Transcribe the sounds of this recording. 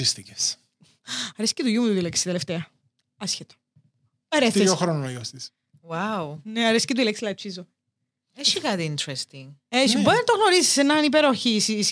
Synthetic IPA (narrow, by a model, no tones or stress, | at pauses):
ist̪ices | ɐɾescet̪uʝumuuðilekst̪it̪eleft̪eɐ | ɐsçet̪o̥ | pɐɾeθoxɾonojost̪is | wawneɐɾesi̥ket̪uilekslɐt͡ʃizo | eʃikɐt̪iint̪ɾest̪iŋeʃiboɾinɐt̪oɣnoɾisi̥senɐnipeɾoçisis